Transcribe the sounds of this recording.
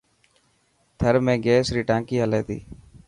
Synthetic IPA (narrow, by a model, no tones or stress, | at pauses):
t̪ʰəɾmẽːɡeːsɾiːʈãːŋkiːəleːt̪ḭː